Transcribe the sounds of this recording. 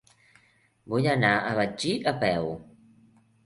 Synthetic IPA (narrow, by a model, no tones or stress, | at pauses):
bujənaəβad͡ʒiəpɛw